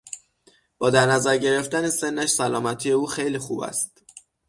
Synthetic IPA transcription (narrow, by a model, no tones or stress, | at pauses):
b̥ɒːd̪æɾnæzæɾɟe̞ɾe̞ft̪ænese̞nːæʃsælɒːmæt̪ʰije̞uːxe̞jliːxuːbæ̰st̪